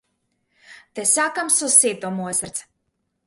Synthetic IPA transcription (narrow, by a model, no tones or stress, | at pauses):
t̪ɛsʲaːkamsusiːt̪ɔmusʲaɾt̪s